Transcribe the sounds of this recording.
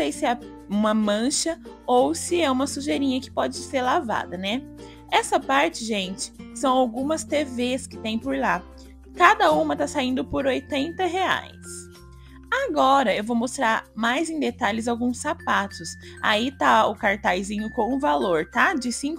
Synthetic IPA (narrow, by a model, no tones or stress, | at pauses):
ejsɪɛ | ũmɐmɐ̃ʃɐowsɪɛũmɐsuʒeɾĩɲɐkɪ̥pɔd͡ʒɪseɾlava̰d̪ɐnɛ | ɛsɐpaɾt͡ʃɪʒẽnt͡ʃɪ̥sɐ̃w̃awɡũmɐst̪eveskɪt̪ẽj̃poɾla | kad̪ɐũmɐt̪asaĩnd̪ʊpoɾojt̪ẽnt̪ɐɦea̰js | aɡɔɾɐewvowmost̪ɾaɾmajzẽj̃d̪et̪aʎɪzawɡũsːapat̪ʊs | a̰it̪aʊkaɾt̪ajzĩɲʊkõw̃ũvaloɾt̪ad͡ʒɪsĩk